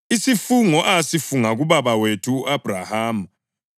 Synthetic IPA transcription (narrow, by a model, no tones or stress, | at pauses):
isifuŋɔʔasifuŋaɣuβaβawetʰuːʔab̥ʱra̰haːm